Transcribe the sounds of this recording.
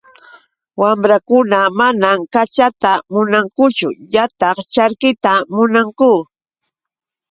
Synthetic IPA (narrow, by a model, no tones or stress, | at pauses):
wamɾakʊnamanamkat͡ʃat̪amʊnaŋkʊt͡ʃʊ̰jat̪ɑχt͡ʃaɾkɪt̪amʊnaŋkʊ